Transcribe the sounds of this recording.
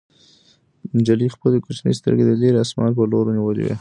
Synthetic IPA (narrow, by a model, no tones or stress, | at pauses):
d͡ʒalixpəld̪əkot͡ʃnə̰jst̪ə̰ɾɡed̪əleɾasmɑlpəloɾoniwəlḭwḛ